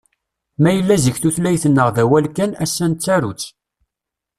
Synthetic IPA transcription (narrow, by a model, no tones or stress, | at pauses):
mæjəlːæzəçθuθlæjθənːəʁðæwælkænæsːænt͡sːæɾut͡sː